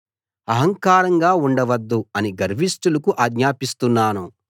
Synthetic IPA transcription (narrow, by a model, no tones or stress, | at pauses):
ɐɦɐŋkaːɾɐŋɡaːuɳɖɐʋɐd̪ːuɐniɡɐɾʋisʈulɐkuʔaːɡɲaːpist̪unːaːnu